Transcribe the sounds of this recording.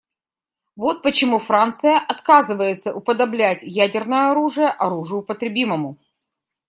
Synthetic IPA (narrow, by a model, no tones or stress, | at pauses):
vo̞t̪̚pət͡ɕɪmufɾant̪sɨjəʔɐt̪kazɨvəjɪt̪səʔʊpəd̪ɐblʲætʲjædʲɪrnəjəɐɾuʐɨjəʔɐɾuʐɨjʊpət̪ɾʲɪbʲiməmʊ